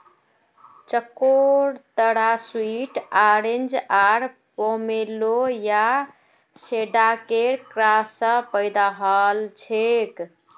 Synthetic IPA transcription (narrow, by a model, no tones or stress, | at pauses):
t͡ʃəkːoɾt̪əɽaswiʈaɾend͡ʒaɾpomeloja | seɖakeɾkɾasə̃pəɪd̪aɦəlt͡ʃʰek